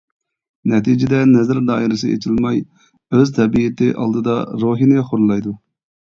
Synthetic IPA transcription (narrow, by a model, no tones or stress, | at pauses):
nɛt̪ʰid͡ʒɪd̪ɛnɛzɪɾd̪ɑ̰ːiɾɨsɨḛt͡ʃʰilmɑj | øzt̪ʰɛbijɪt̪ɪʔɑ̰lˠd̪ɨd̪ɑɾoːɦinɪχoɾlˠːɑjd̪u